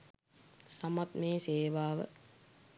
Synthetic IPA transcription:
samat̪meːseːʋaːʋə̰

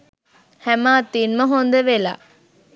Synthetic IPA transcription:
hɛmaːt̪inməɦond̪əʋela̰ː

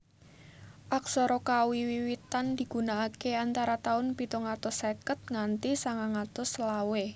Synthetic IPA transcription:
ʔak̚sɔɾɔkawiwiwit̪and̪̥i̤ɡ̥ṳnaːkeant̪aɾat̪aʊnpit̪oŋat̪ɔsekət̪̚ŋant̪isaŋaŋat̪ʊslawe

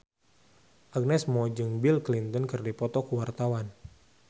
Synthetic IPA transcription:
ʔak̚nɛsmɔd͡ʒɨŋbilklint̪ɔnkɨrdipɔt̪ɔkuwart̪awan

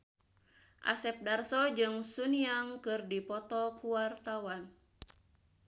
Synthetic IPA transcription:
ʔa̰sɛp̚darsɔd͡ʒɨŋsuniaŋkɨrdipɔt̪ɔkuwart̪awan

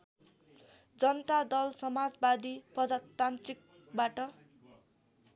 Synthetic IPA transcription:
d͡zʌnʌt̪ad̪ʌlsʌmad͡zbad̪iprʌd͡zat̪ːant̪rik̚ | baʈʌ

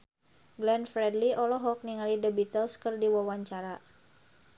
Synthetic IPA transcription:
ɡlɛnfɾɛdliʔɔlɔɦɔk̚niŋalidəbit̪əlskərdiwawaɲt͡ʃaɾa

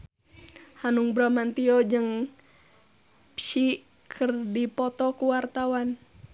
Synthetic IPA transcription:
hanuŋbɾamant̪iɔd͡ʒɨŋ | pʃi | kʰɨrdipɔt̪ɔkuwart̪awan

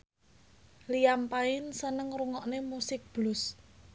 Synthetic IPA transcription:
lijampaɪnsənəŋɾuŋɔʔnemusɪk̚b̥lʊs

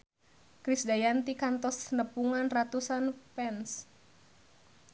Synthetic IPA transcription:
kɾisdajant̪ikant̪ɔsnəpuŋanrat̪usanpɛns

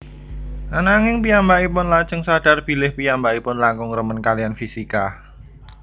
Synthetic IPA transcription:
anaŋɪŋpijambaipʊnlat͡ʃəŋsad̥arb̥i̤lɪhpijambaipʊnlaŋkʊŋrəmənkalianfisika

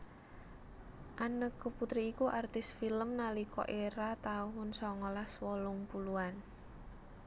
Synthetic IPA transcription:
ʔanəkːəput̪ɾiːkuʔart̪ɪsfiləmnalikɔ̰ʔeɾat̪auɦʊnsɔŋɔlaswɔlʊŋpuluan

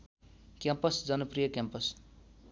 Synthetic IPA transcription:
kjampʌsd͡zʌnʌprijʌkjampʌs

